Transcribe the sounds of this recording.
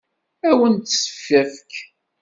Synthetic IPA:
æwənt̪sə̥fːæfk

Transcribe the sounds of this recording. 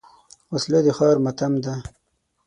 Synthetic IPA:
wasled̪exɑːɾmat̪amd̪a

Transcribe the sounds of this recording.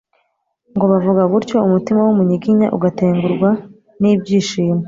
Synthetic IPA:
ŋɡo̞βavuɡaβuɾco̞umutimawumuɲiɡiɲaʔuɡate̞ːŋɡuɾɡwa | niːbɟiːʃiːme

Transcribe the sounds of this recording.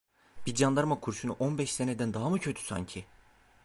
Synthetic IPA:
b̥id͡ʒand̪aɾmakʰuɾʃunṵʔonbɛʃsened̪ænd̪aɦamucʰøt̪ʰy̥sa̰ɲcʰi

